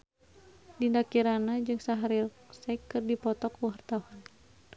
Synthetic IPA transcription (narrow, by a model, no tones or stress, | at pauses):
dindakiɾanad͡ʒɨŋsaɦaɾi | sɛkːɨrdipɔt̪ɔkuwart̪awan